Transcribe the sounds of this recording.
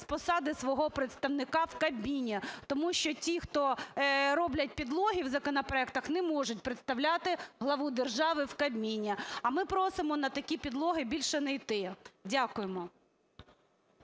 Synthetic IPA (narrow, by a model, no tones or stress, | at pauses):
spɔsɑd̪ɪsʋɔɦɔpɾet̪st̪ɐwnɪkɑwkɐbʲmʲinʲːɐt̪ɔmuʃt͡ʃɔtʲixt̪ɔɾɔblʲɐt̚ʲpʲid̪lˠɔɦʲiwzɐkɔnɐpɾɔɛkt̪ɐxnɛmɔʒʊt̚ʲpɾet̪st̪ɐwlʲat̪ɪɦlˠɐʋud̪erʒɑʋɪwkɐbʲmʲinʲːɐɐmɪpɾɔsɪmɔnɐt̪ɐkʲipʲid̪lˠɔɦɪbʲilʲʃɛnɐjt̪ɪdʲakʊjemɔ